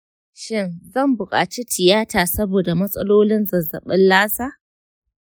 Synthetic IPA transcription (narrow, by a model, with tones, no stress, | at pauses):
ʃɪ˦˨nzɐ˦˨mbʊ˨kʼa̰ː˨t͡ʃi˦tʰɪ˨jaː˦taː˨sɐ˦boː˨da˨mɐ˦sʼɐ̰˦loː˦lɪ˦nzɐ˨zɐ̰˨ɓɪ˦nlaː˦saː˦